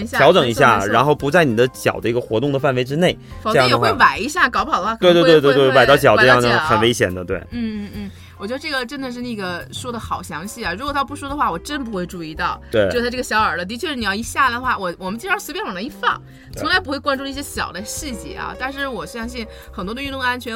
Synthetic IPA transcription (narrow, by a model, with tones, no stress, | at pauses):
ja˥˩jɑ˧˥ʊʈ͡ʂɤ˨˧˩ŋi˧˥ɕja̰˥˩ɻa˧˥nxo˥˩ʊpu˧˥t͡sa˥˩ɪni˨˩d̪ə˦t͡ɕjɑ̰˨˩ʊd̪ə˦i˧˥ɡə˧xwɔ˧˥ʊ˥˩ŋd̪ə˩fa˥˩nwe˧˥ɪʈ͡ʂɻ̩˥ne˥˩ɪ˧˥jɑ˥ŋdə˧xe˥˩ɪwa˨˩ɪi˧˥ɕja˥˩kɑ˨˩ʊpxɑ˨˩d̪ə˧xwa˥˧kwe˥˧wt̪wt̪wt̪wa˨˩ɪt̪ɑ˥˧ʊt͡ɕjɑ˨˩ʊʈ͡ʂʈ͡ʂjɑ˥˧ŋə˧˩xə˨˩ne˥ɪɕjɛ̰˨˩nd̪ə˦t̪we˥˩ɪn̩˥˩n̩˥˩n̩˥˩ | wɔ˨˩t͡ɕɥɛ˧˥ə˧ʈ͡ʂɤ˥˩ɡə˩ʈ͡ʂə˥nd̪ə˨˧ʂ̬ɻ̩˥˧na˥˩ɡə˩ʂwɔ˥d̪ə˨xɑ˨˩ʊɕjɑ˧˥ŋɕi˥˩ɐ˩ɻu˧˥kwɔ˨˩t̪ʰp̬u˥˩ʂwɔ˥d̪ə˧xwa˥˩wɔ˨˩ʈ͡ʂə˥np̬u˧˥xwe˥˧ɪʈ͡ʂu˥˧i˥˧t̪ɑ˥˩ʊwe˥˧˩ɪ˥˧ʂt̪ʰa˥ʈ͡ʂə˧ɕjɑ˧˥ʊə˞˨˩lə˦t̪i˧t͡ɕʰɥɛ˥˧ɻ̩˥˩i˨˩jɑ˥˧ʊi˧˥ɕja˥˩d̪ə˩xwa˥˩wɔ˨˩wɔ˨˩mə˦nt͡ɕi˥˧˥ɻɑ˥sɹ̩˧˥pjɛ˥nwɑ˨˩li˥˧fɑ˥˩ŋ | tt͡sʰʊ˧˥ŋla˧˥ɪp̬u˧˥xwe˥˩ɪkwa˥nʈ͡ʂu˥˧i˥˩ɕ̬jɛ˥ɕjɑ̰˨˩ʊd̪ə˦ɕi˥˧t͡ɕjɛ̰˧˩ɐ̰˩t̪a˥˧nʂɻ̩˥˩wɔ˨˩ɕjɑ˥˧ŋɕ̬i˥˩n | xə˨˩nt̪wɔ˥d̪y˥˧t̪ʊ˥˧ŋa˥nt͡ɕʰɥɛ˧˥n